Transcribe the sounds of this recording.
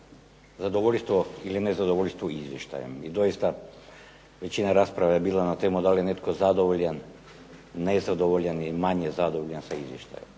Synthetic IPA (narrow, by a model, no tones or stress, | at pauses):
zad̪oʋoʎʲst̪ʋoilinezad̪oʋoʎʲst̪ʋoizʋjeʃt̪a̰jḛmid̪oist̪a | ʋet͡ɕinaɾaspɾaʋaebiːlˠanat̪emud̪alijenet̪kozad̪oʋoʎan | nezad̪oʋoʎaniimaɲezad̪oʋoʎansaizʋjeʃt̪a̰jem